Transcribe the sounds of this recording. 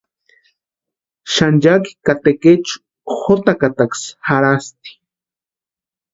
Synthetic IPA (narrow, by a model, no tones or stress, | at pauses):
ʃand͡ʒaki̥kat̪eket͡ʃʊ̥ | xot̪akat̪akshaɾast̪i̥